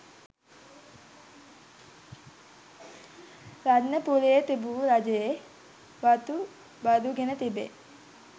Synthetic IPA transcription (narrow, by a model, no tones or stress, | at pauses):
ɾadnəpulejet̪ibuɾad͡ʒəje | bat̪u | bad̪uɡenət̪ibḛ